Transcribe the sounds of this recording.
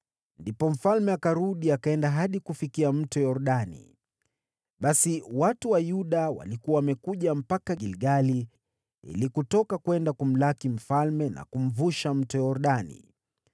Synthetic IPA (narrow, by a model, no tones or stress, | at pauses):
ndipɔm̩falmɛakaɾuɗiakaɛndaɦaɗikufikiam̩tɔjɔɾuɗanḭ | ɓasiwatuwajuɗawa̰likuwawamɛkuʄam̩pakaɡilɡali | ḭlikutɔkakwɛndakum̩lakim̩falmɛna̰kum̩vuʃam̩tɔjaɔɾɗanḭ